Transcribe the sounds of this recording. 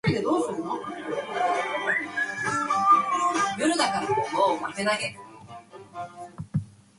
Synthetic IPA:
ɾʲid̪ed̪o̞ːsɨɾɯ̟no | jɯɾɯd̪akaɾakokomamenaɡe

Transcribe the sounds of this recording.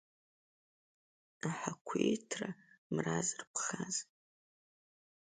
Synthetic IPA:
aħakʷʰejtʰramrazɨrpʰχaz

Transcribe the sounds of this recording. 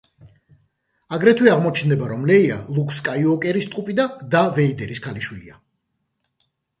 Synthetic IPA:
aɡɾɛt̪ʰwiaʁmɔt͡ʃʰnd̪ɛbaɾɔmlɛia̰lˠukʰskʼaiɔkʼɛɾist̪ʼqʼupʼid̪ad̪avɛid̪ɛɾiskʰaliʃwilia

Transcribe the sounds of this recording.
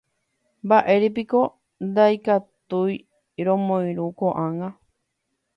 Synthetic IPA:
mbaʔe̞ɾep̬iko̞ | nd̪ajkat̪uj | ɾõmõj̃ɾukoʔãŋɡa

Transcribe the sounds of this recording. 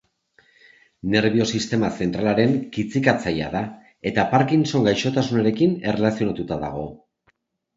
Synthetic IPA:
ne̞ɾβio̞sist̪e̞mase̞nt̪ɾalaɾe̞ŋkit͡sikat͡saja̰ða | e̞t̪apaɾkinso̞ŋɡajʃo̞t̪asunaɾe̞kine̞relasio̞nat̪ut̪aða̰ɣ̞o̞

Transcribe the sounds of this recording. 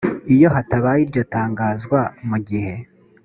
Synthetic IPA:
ijo̞ɦataβajiɾɟo̞taːŋɡaːzɡwamuɡihe̞

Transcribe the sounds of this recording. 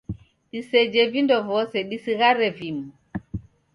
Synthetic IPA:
ɗised͡ʒevindɔvɔsɛɗisiɣaɾɛvim

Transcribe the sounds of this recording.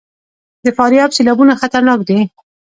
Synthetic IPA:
d̪əfɑɾjɑbselɑbunaxat̪aɾnɑkd̪i

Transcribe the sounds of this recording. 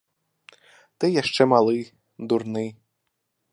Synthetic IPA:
t̪ɛjaʃt͡ʂɛmalˠɪj | d̪urnɪj

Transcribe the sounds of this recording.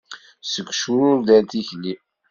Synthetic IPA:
səɡʷːʃʊɾʊɾðænt̪içli

